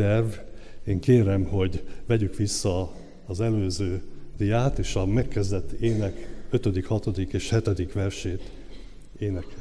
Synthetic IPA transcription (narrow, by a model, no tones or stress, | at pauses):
ɛrveːŋkeːɾɛmho̞ɟvɛɟykʋisːɒː | zɛløːzøːd̪ijaːt̪eːʃɒmɛkːɛzd̪ɛt̪ːeːnɛkø̞t̪ød̪ikhɒt̪o̞d̪ikeːʃhɛt̪ɛd̪ikʋɛrʃeːt̪ | eːnɛk